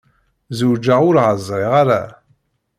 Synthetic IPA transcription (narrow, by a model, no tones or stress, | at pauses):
zud͡ʒaʁʊɾʕəzˤɾˤiʁaɾa̰